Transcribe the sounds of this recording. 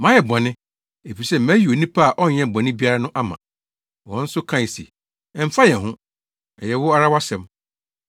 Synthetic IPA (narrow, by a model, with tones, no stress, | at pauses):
mã˨˦jɛ˨bã˨nɪ̃˦ | e˨fi˨sɛ˦mæ̃˦ji˨o˨nĩ˦pʰa˦a˨ʔɔ˦ɲɛ̃˦˨bɔ̃˨nɪ̃˦bi˦a˦ɾa˦nʊ̃˦ʔa˦mã˨ | wɔ̃˨˦n̩˦sʊ˦kʰã˦˨i˨sḭ˨ | ɛ˨m̩˨fa˦jɛ˨ɦʊ̃˦ | ɛ˨jɛ˨wʊ˦a˦ɾa˦wa˦sɛ̃˨m